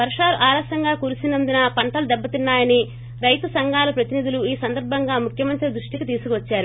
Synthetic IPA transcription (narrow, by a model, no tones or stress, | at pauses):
bɐɾʂaːɾuʔaːlɐsɐŋɡaːkuːɾusinɐnd̪inɐpɐɳʈɐlud̪ɛbːɐt̪inːaːjɐni | ɾɐjt̪usɐŋɡʱaːlɐpɾɐt̪inid̪uluiːsɐnd̪ɐɾbʱɐŋɡaːmukʰjɐmɐnt̪ɾid̪ɾuʂʈikit̪iːsukuʋɐt͡ʃːaːɾu